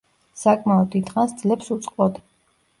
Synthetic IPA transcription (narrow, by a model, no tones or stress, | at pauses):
sakʼmaɔd̪̚d̪it̪χansd̪zlɛpsut̪sʼqʼvɔd̪